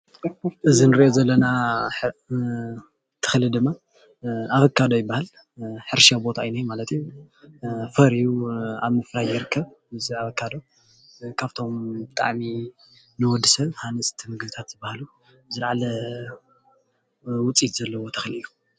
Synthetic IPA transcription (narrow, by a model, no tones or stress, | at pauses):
ʔɨzinɨɾiʔozɐlːɐna | t̪ʰɨ̥xlɨd̪ɨmːa | aβɐkʰːad̪o̞jɪbːahal | ħɨɾʃabo̞t̪ʰajnajmalɐt̪ʰiju | fɐɾijuaβmɨfɾajɪɾɨkʰːɐβ | ɨziaβɐkːad̪o̞ | kʰaβt̪ʰo̞mbɨt̪ʼa̰ʕmi | nɨwɔd̪ːɨsɐβhanɨsʼt̪ʰimɨɡbɨt̪ʰat̪zɨbːahalu | zɨɾʕalɐ | wʊt͡sʼit̪z̥ɐlːɐwo̞t̪ʰɐ̥xliju